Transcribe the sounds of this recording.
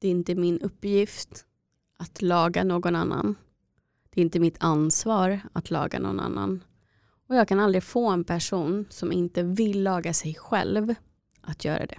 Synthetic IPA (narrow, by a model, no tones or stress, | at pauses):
d̪̥ɛɪnt̪əmɪnɵpːjɪft̪ | ʔat̪lɑːɡanoːɡɔnanːa̰n | d̪̥ɛɪnt̪əmɪt̪ʰansvɑːɾat̪ʰlɑ̰ːɡa̰nɔ̰ɡna̰nːa̰n | ɔjɑːɡ̚kʰanald̪ɾɪɡfoːɛnpʰæʂuːnsɔmɪnt̪əvɪlːɑːɡasɛjɧɛ̰lv | ʔat̪ʰjœ̰ːɾa̰d̪ɛ̰